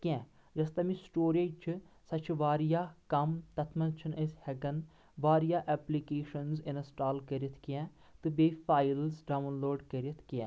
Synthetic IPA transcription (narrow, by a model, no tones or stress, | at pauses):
kʲɛ̃ː | d͡ʒɐst̪ɐmĩsʈoːɾeːt͡ʃʰsɐt͡ʃʰʋaːɾijaːkɐmt̪ɐt̪ʰmɐnt͡ʃʰinəshɛɡɐn | ʋaːɾijaːʔɛːplikeːʃənzɪnɐsʈaːlkəɾit̪ʰkiɛ̃ː | t̪ɨbeːfʰaːjilzɖaːʋnloːɖkəɾet̪ʰkiɛ̃ː